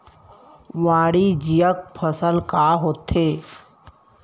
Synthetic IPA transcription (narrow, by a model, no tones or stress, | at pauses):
ʋaːɽid͡ʒijək̚pʰəsəlkaːɦoːt̪eː